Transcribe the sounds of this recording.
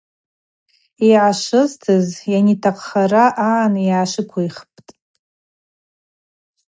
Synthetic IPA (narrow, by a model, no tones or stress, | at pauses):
iʕaʂɨztʰɨzjanitʰaqʼχaraʔaʕanjʕaʂɨkʷʰajχpʼtʼ